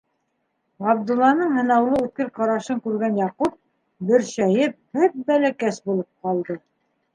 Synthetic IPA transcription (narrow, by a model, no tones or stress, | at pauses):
ɑbd̪ulˠːɑnɤɴhɤ̆nɑwlˠɤʉt̪̚kɘɾqɑɾɑʃɤŋkʉɾɡænjɑqup̚ | bɘ̆ɾɕæjɘp̚hɘp̚bælækæsbulˠɤp̚qɑlˠd̪ɤ